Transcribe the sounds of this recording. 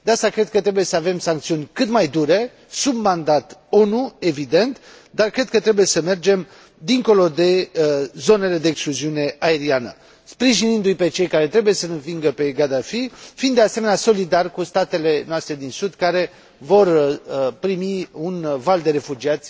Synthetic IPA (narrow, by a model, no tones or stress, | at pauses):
d̪east̪akɾe̞d̪̚kət̪ɾe̞buje̞səave̞msaŋkt̪siunʲkɨt̪majd̪uɾe̞ | submand̪at̪o̞nue̞vid̪e̞nt̪ | d̪arkɾe̞d̪̚kət̪ɾe̞buje̞səme̞rd͡ʒe̞m | d̪iŋko̞lo̞d̪e̞zo̞ne̞le̞d̪e̞ːkskluziune̞ʔae̞ɾianə̰ | spɾiʒinind̪ujpe̞t͡ʃe̞jkaɾe̞t̪ɾe̞buje̞sənɨnviŋɡəpe̞ɡad̪afifind̪easeme̞neaso̞lid̪arkust̪at̪e̞le̞noast̪ɾe̞d̪insud̪kaɾe̞ | vo̞rpɾimiunvald̪e̞ɾe̞fud͡ʒiat̪sʲ